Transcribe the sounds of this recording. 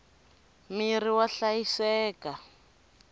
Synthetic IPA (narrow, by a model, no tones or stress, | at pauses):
miriwaɬajisɛːka